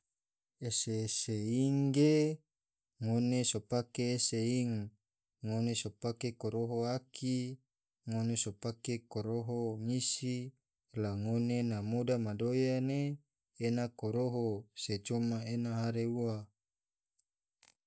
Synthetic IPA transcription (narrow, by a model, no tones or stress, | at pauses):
eseseiŋɡe | ŋonesopakeːseiŋː | onesopakekoɾoɦoakʰi | ŋonesopakekoɾoɦoŋisi | laŋonenamodamadojaneː | nakoɾoɦoset͡ʃomaenaɦaɾeua